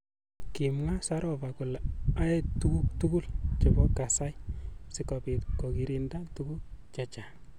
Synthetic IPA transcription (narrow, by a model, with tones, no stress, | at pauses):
ki˨mŋa˦sa˦ɾɔ˨va˨kʊ˨la˦e˦tu˦ɡu˦k̚tu˦ɡu˦lt͡ʃe˨bɔ˦ka˨sa˦jsɪ˦kɔpi˨kɔ˨ɡi˨ɾi˦nda˦tuɡu˦k̚t͡ʃa˦t͡ʃa˨